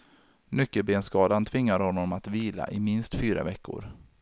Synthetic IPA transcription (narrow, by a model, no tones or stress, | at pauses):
nʏkːəlbeːnskɑːd̪ant̪ʰvɪŋːaɾhɔnːɔmat̪viːla̰ʔɪmɪnst̪fyːɾa̰vɛkːʊ̰ɾ